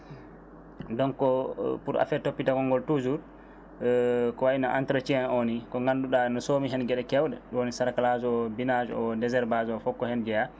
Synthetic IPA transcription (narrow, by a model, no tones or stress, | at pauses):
dɔnkɔpuɾʔa̰fɛtːopːitakɔŋɡɔltud͡ʒuɾ | kɔwainaʔantɾat͡ʃianonikɔŋɡanduɗanɔsomiɦɛnɡɛɗɛkɛwɗɛ̰ɗwonisaɾakalad͡ʒɔɔbinad͡ʒɔdɛzɛɾbad͡ʒɔɔfɔkːɔhɛnd͡ʒɛja